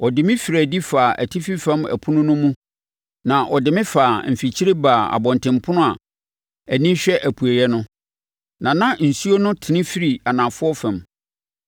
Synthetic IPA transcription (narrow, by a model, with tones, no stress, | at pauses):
ɔ˨dɪ˨mɪ̃˦fi˨ɾæ˨di˦faː˨ʔæ̰˨tʰi˦fi˦fɛ̃˦mæ̰˨pʰu˦nʊ̃˦nʊ̃˦mũ˦ | nã˨ʔɔ˨dɪ˨mɪ̃˦faː˨m̩˨fi˨t͡ɕʰi˦ɾe˦baː˨a̰˨bɔ̃˨n˨tɪ̃˨mpʰʊ˦nʊ̃˦a˨ | æ˨nĩ˦ɕᶣɛ˦ʔæ˨pʰu˨æ˨jɛ˦nʊ̃˦ | nã˨nã˦n̩˨su˦o˦nʊ̃˦tʰɪ˨nɪ̃˦fi˦ɾi˨a˨nã˨fʊ˦ɔ˦fɛ̃˨m